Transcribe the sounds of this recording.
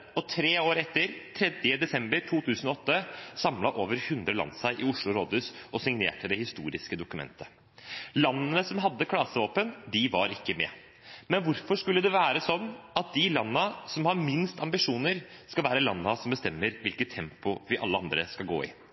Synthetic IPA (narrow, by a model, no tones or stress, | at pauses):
ɔt̪ʰɾeːoːɾɛt̪ːəɾt̪ʰɾɛd̪jəd̪ɛsɛmbəɾʈʰuːt̪ʰʉːsənɔɔt̪ːəsɑmlɑʔoːʋəɾhʉnd̪ɾəlɑ̰nsæɪʔɪʊʂɭʊɾoːd̪ʉːsɔsɪŋnḛːʈʰəd̪ɛhɪst̪uːɾɪskəd̪ʊkʉmɛ̰nt̪ʰə | lɑnːənəsɔmɦɑd̪ːəkʰɽɑːsəʋoːpənd̪ɪʋɑɾɪkːəmɛ̰ː | mɛnʋʊɾfɔʂkʉlːəd̪ɛʋæːɾəsɔnːɑt̪̚d̪ɪlɑnːəsɔmhɑɾmɪnst̪ʰɑmbɪʂuːnəɾskɑlʋæːɾəlɑnːɑsɔmbəst̪ɛmːəɾʋɪlkət̪ʰːɛmpʊʋɪʔɑ̰lːəɑnd̪ɾəskɑlɡo̰ːɪ̰